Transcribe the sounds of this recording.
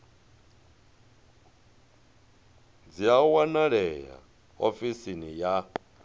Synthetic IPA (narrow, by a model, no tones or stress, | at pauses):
d͡ziawanaɺɛja̰ | ofisinija